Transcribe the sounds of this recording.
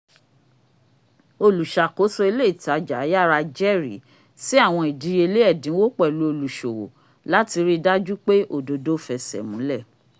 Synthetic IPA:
o˧lu˨ʃa˨ko˨˦sɔ˧˦e˧le˦i˨ta˨˦d͡ʒa˨˦ja˦˨ɾa˧d͡ʒɛ˦˨ɾḭ˨ | si˦a˦˨w̃ɔ̃˧i˨di˨˧˦je˧le˦ɛ˦˨dĩ˨˦wo˦k͡pɛ˦˨lu˨˦o˧lu˨ʃo˨wo̰˨ | la˦ti˧ɾi˦da˦d͡ʒu˦k͡pe˦ʔo˦˨do˧do˨˦fɛ˨sɛ̰˨mũ˨˦lɛ˦˨

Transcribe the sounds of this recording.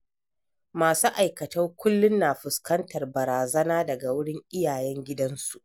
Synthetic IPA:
maː˨suː˦ʔa˨jkɐ˨tɐ˦ŋkʷʊ˦lːʊ˦nːaː˨ɸʊ˨skɐ˦ntɐ˨rbɐ˨ɾaː˨zɐ˦naː˦dɐ˨ɡa˨wʊ˦ɽɪ˦ŋʔɪ˦jaː˨jɛ˦ŋɡʲɪ˦dɐ˦nsu˨ʔ

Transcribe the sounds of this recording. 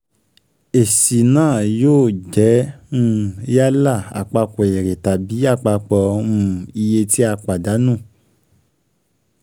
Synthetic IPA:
e˨si˨nãː˦˨joː˦˨d͡ʒɛ˨˦ũ˦ja˦la˦˨a̰˨k͡pa˧ko˨e˨ɾe˨ta˨bi˨˦a˦˨k͡pa˧k͡pɔ˧ũ˧˦i˧je˧ti˦a˧k͡pa˨da˨˦nũ˦˨

